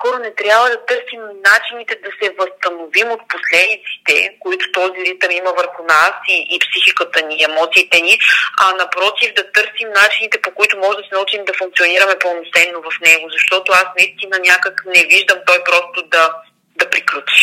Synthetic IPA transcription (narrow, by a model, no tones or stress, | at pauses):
skɔɾonɛt̪ɾʲjabvəd̪ɐt̪ɤɾsimnat͡ʃinit̪ɛd̪ɐsɛvəst̪ɐnovimot̪̚poslɛd̪it̪si̥t̪ɛ̰koit̪ʊ̥t̪ɔziɾit̪əmiməvəɾxʊnasiʔːpsixikət̪əniɛmɔt̪siːt̪ɛniɐnɐpɾɔt̪ivd̪ɐt̪ɤɾsimnat͡ʃinit̪ɛpokoit̪ʊmɔʒɛd̪ɐsɛnɐut͡ʃimd̪ɐfuŋk̚t̪ioniɾəmɛponosɛnːovɐfnɛɡʊzɐʃt̪ɔt̪ʊasnɐist̪inənʲjakəknɛviʒd̪əmt̪ɔjpɾɔst̪ʊd̪ɐ | d̪ɐpɾiklʲut͡ʃi̥ʃ